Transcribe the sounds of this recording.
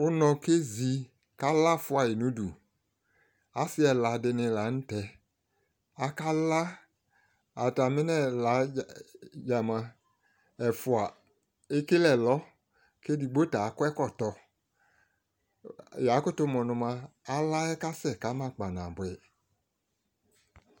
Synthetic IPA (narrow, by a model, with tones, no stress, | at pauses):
ʊ˦nɔ̃˧ke˦zi˨ | ka˦la˦˨fʊ˦a˨jɪ˨nũ˦du˨ | a˨˦sɪ˦ɛ˨la˨dɪ˧nɪ̃˧la˨˦n̩˦tɛ˨ | a˨ka˦la˦ | a˨ta˨mɪ˦nɛ˦˨la˨˦ | ja˨mã˧ | ɛ˨fʊ˨a˨ | e˦ke˦lɛ˦˨lɔ˦ | ke˦di˨ɡ͡bo˦ta˨˦kʊ˦ɛ˦kɔ˦˨tɔ˧ | ja˨˦kʊ˦tʊ˦mɔ˨nʊ̃˧ma˧ | a˨la˦ɛ˦ka˦sɛ˦˨ka˨˦mã˦˨k͡pa˨nã˨bwɛ˨